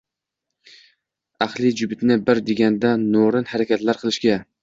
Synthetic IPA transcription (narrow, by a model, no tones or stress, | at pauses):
aχlˠɪd͡ʒʊbɪt̪nɪbɪɾd̪eɡʲand̪anoɾɪnhaɾakʲat̪laɾqʰɨlˠɪʃɡʲa